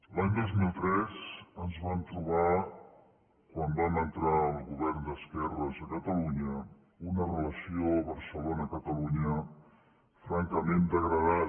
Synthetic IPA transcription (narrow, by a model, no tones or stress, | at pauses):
laɲd̪ozmilˠt̪ɾɛzənzβant̪ɾuβ̞a | kwambanənt̪ɾaəlˠɣuβɛɾnd̪əskɛrəzəkət̪əluɲə | unərələsioβəɾsəlonəkət̪əluɲə | fɾaŋkəmend̪əɣɾəða